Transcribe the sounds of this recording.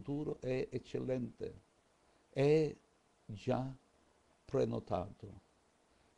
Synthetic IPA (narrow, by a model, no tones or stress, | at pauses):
t̪uːɾʊʔɛet͡ʃːelːɛnt̪ḛ | ɛɛ | d͡ʒa | pɾenot̪a̰ːt̪ʊ